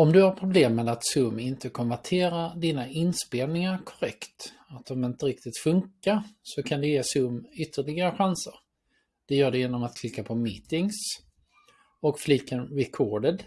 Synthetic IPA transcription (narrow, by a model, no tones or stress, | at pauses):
ɔmd̪ɵhaɾpʰɾʊbleːmːɛd̪at̪sɵmːɪnt̪əkʰɔnvæʈʰeːɾad̪iːnaʔɪnspeːlnɪŋaɾkʰɔɾɛkt̪ | at̪ɔmɪnt̪əɾɪkt̪ɪt̪fɵŋkaɾsɔkʰand̪ɛjeːsɵmʏt̪ʰːəɭɪɡaɾəɧansəɾ | d̪̥ɛjœːɖɛjeːnɔmat̪̚kʰlɪkːapʰɔmiːt̪ɪŋs | ɔkfliːkːənɾɛkʰoːɖəd̪